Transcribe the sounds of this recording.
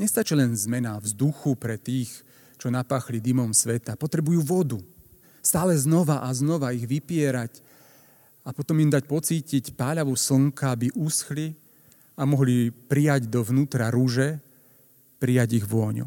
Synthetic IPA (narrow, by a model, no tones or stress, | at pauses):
ɲɛst̪at͡ʃilɛnzmɛnavzd̪uxupɾɛt̪iːx | t͡ʃɔnapaːxlid̪imɔmsʋɛt̪apɔt̪ɾɛbujuːʋɔd̪u | st̪aːlɛznɔʋaʔaznɔʋaiɣʋipɪɛɾac | apɔt̪ɔmimd̪acpɔt͡siːcicpaːʎaʋus̩ŋkaabiʔusxli | amɔɦlipɾijaɟd̪ɔʋnuːt̪ɾaɾuʒɛ | pɾijaɟiɣʋɔɲṵ